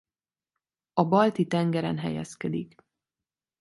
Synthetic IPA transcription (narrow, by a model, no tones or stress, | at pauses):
ɒbɒlt̪it̪ɛŋɡɛɾɛnɦɛ̰jɛ̰skɛd̪ik